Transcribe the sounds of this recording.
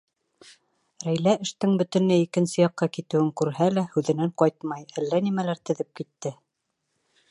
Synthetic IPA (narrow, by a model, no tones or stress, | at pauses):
ɾæjlæɘ̆ʃt̪ɘŋbɵ̆t̪ɘ̆nlɘikɘ̆nsɘjɑqːɑkit̪ɘ̆wɘŋkʉɾɦælæhʉðɘ̆næɴqɑjt̪mɑjælːænimælæɾt̪ɘ̆ðɘp̚kit̪ːɘ